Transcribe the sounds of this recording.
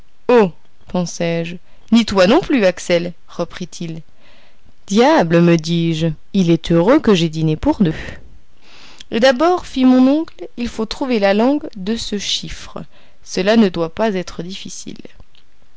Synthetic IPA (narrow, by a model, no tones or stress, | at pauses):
o | pɑ̃sɛʒ | nit̪wanɔ̃plyaksɛl | ʁəpχit̪ʰil | d̪̥jabləməd̪iʒ | ilɛt̪ʰøʁøkəʒed̪inepuʁd̪ø | d̪abɔʁfimɔ̃nɔ̃klilfot̪χuvelalɑ̃ɡd̪əsəʃifχə | səlanəd̪wapazɛt̪χəd̪ifisḭl